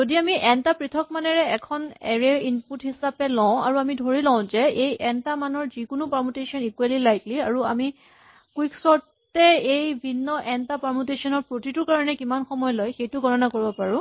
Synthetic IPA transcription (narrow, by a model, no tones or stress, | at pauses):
zodiamiʔɛntapɹitʰɔk̚manɛɹɛɛkʰɔnɛɹeinputhisapɛlɔ̃a̰ɹuamidʱoɹilɔ̃ʊ̃zɛejɛntamanɔɹzikʊnʊpamutesiɔnikualilajkliaɹuami | kwiksɔɹ | ɛejbʱinːɔʔɛntapaɹmutesɔnɔɹpɹotitʊɹkaɹɔnɛkimanxɔmɔjɔlɔjxejtʊɡʱɔɹɔnakoɹibɔpaɹʊ̃